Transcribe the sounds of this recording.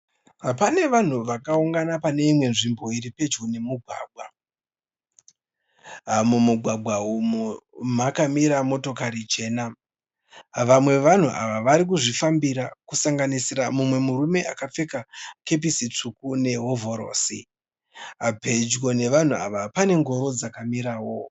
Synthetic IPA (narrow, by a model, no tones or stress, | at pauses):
ɦapane̞ʋan̤uʋakauŋɡanapane̞imwe̞nʐimbo̞iɾipe̞d͡ʒɡone̞muɡʱwa̰ːɡʱwa | amumuɡʱwaɡʱwaumumakamiɾamo̞to̞kaɾit͡ʃe̞ːna | ʋamwe̞ʋan̤uʔa̰ʋaʋaɾik̬uʐifambiɾakusaŋɡanisiɾamumwe̞muɾume̞ʔakap͡fe̞kake̞p̬isit͡ʂukune̞ɦo̞vo̞ɾo̰ːsḭ | ɦabʱe̞d͡ʒɡo̞ne̞ʋan̤ua̰ʋapane̞ŋɡo̞ɾo̞d͡zakamiɾaːwo̞